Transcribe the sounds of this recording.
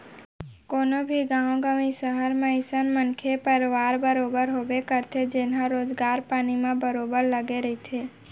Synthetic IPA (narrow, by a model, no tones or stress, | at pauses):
konobʱiɡãʋɡamisəɦəɾmãɪsənmənkʰepəɾʋaɾbəɾobəɾɦoʋekəɾt̪ʰed͡ʒenɦãɾoːd͡ʒɡaɾpaːnimãbəɾobəɾləɡeɾəɦit̪ʰe